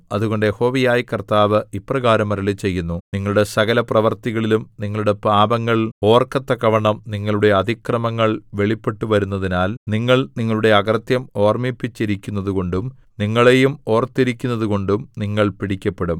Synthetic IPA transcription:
ɐðuɣo̞ɳɖejeho̞ːʋijaːjikɐrt̪aːʋɨipːrɐɣaːɾɐmɐɾɐlit͡ɕe̞jːunːuniŋːɐɭuɽe̞sɐɣɐlɐprɐʋɐrt̪iɣɐɭilumniŋːɐɭuɽe̞paːbɐŋːɐɭo̞ːrkɐt̪ːɐkɐʋɐɳɐmniŋːɐɭuɽe̞ɐd̪ʱikrɐmɐŋːɐɭʋe̞ɭipːe̞ʈːuʋɐɾunːɐðinaːlniŋːɐɭniŋːɐɭuɽe̞ɐɡɐrt̪jɐmo̞ːrmipːit͡ɕːiɾikʲːunːɐðuko̞ɳɖum | niŋːɐɭejumo̞ːrt̪ːiɾikʲːunːɐðuko̞ɳɖumniŋːɐɭpiɽikʲːɐpːe̞ɽum

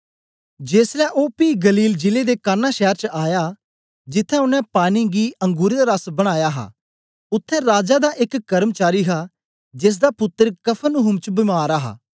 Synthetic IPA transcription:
d͡ʒeːslɛːʔoːpiːɡəliːld͡ʒɪleːd̪eːkaːnaːʃɛːɾt͡ʃʔaːjaː | d͡ʒɪt̪ʰːɛ̃ːʊnɛ̃ːpaːniːɡiːəŋɡuːɾed̪aɾəsbəɽ̃aːjaːɦa̰ː | ʊt̪ʰːɛ̃ːɾaːd͡ʒaːd̪aːʔɪkːəɾəmət͡ʃaːɾiːɦaː | d͡ʒɪs̬d̪aːpʊt̪ːəɾkəpʰənʊɦʊmt͡ʃbɪmaːɾaɦa̰ː

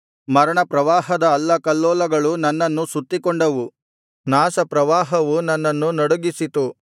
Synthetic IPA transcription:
mɐɾɐɳɐpɾɐʋaːɦɐd̪ɐːlːɐkɐlːɔːlɐɡɐɭunɐnːɐnːusut̪ːikoɳɖɐʋu | naːsɐpɾɐʋaːɦɐʋunɐnːɐnːunɐɽuɡisit̪u

